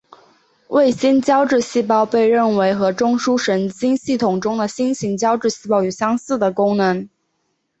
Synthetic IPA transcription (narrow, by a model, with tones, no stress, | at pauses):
wʔe˥˩ɪɕi˥nt͡ɕjɑ˥ʊʈ͡ʂɻ̩˥˧ɕi˥˩pɑ˥˧ʊpe˥˧ɪɻə˥˩nwe˧˥ɪxɤ˧˥ʈ͡ʂʊ˥ŋʂu˥ʂə˧˥nt͡ɕi˥nɕi˥˩t̪ʰʊ˨˩ŋʈ͡ʂʊ˥ŋd̪ə˨ɕi˥nɕi˧˥nt͡ɕjɑ˥ʊʈ͡ʂɻ̩˥˧ɕi˥˩pɑ˥ʊo˨˩ɕjɑ˥ŋsɹ̩˥˩d̪ə˩kʊ˥ŋnɤ˧˥ŋ